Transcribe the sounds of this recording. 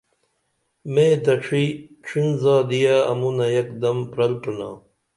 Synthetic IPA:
mẽːd̪ɐʈ͡ʂʰiʈ͡ʂʰinzaːd̪ijaɐmunɐjɐkd̪ɐmpɾɐlʈuna̰ː

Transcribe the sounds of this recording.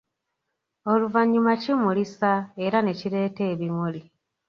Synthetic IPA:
o̞luvaɲːumacimulisae̞ɾane̞ciɾe̞ːte̞ːβimuli

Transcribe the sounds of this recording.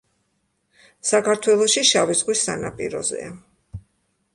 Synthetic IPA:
sakʰaɾt̪ʰwɛlˠɔʃiʃavizʁwisa̰napʼḭɾɔ̰zɛ̰a

